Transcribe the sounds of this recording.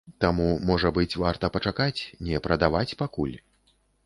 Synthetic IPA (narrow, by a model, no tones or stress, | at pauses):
t̪amumɔʐɐbɨt͡sʲvart̪ɐpɐt͡ʂakat͡sʲnʲɛpɾɐd̪avat͡sʲpakulʲ